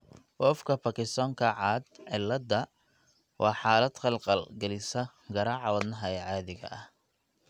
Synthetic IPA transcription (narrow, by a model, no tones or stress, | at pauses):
wɔfkʰɐpɐkɪst̪ɔːŋkʰɐʕɑːd̪ʕɪlːɐd̪ɐ | wʔɑːħɑːlɐd̪̥qɑlqɑlɡɐlɪsɐ | ɡɐɾaːʕɑwɐd̪nɐɦɐɛʕɑːðɪɣɐ̰ʔɐh